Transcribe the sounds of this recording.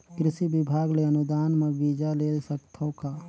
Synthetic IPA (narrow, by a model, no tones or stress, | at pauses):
kɾɪsibɪbʱaːɡleənʊd̪aːnmẽbid͡ʒaleːsəkt̪ʰõkaː